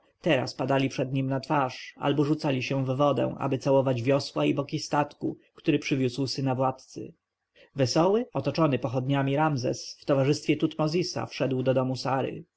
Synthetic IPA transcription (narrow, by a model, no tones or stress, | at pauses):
t̪ɛɾa̰spad̪alʲipʂɛd̪ɲimnat̪faʂa̰lbɔʐut̪salʲiɕɛ̃vːɔd̪ɛ̰̃ʔa̰bɘt̪sawɔvad͡ʑvʲjɔswaibɔkʲist̪at̪kukt̪uɾɘpʂɘvʲuswsɘnavwat̪t̪sɘ̰ | vɛsɔwɘɔt̪ɔt͡ʂɔnɘpɔxɔd̪ɲamʲiɾamzɛ̰sft̪ɔvaʐɘst̪fʲjɛt̪ut̪mɔzʲisa̰fʂɛd̪wd̪ɔd̪ɔmusaɾɘ̰